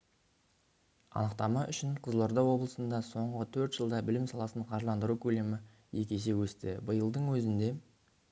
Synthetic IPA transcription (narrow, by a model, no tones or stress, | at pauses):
ɑ̰nəqt̪ɑmɑʔʏʃɪnqʰəzlˠo̞ɾd̪ɑwo̞blˠəsənd̪ɑso̞ɴʁət̪ʰɵɾt̪ʒ̥əlˠd̪ɑbɪlɪmsɑlˠɑsəɴqʰɑʒlˠɑnd̪əɾukʲʰɵle̞mɪ | je̞kʲe̞s̬e̞wɵst̪ɪbəjəlˠd̪əɴwɵzɪnd̪e̞